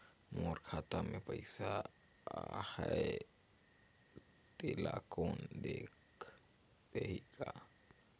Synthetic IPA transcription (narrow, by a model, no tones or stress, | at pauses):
moɾkʰaːt̪amẽpəɪsa | hɛe | t̪ela̰koːnd̪eːk | t̪eɦika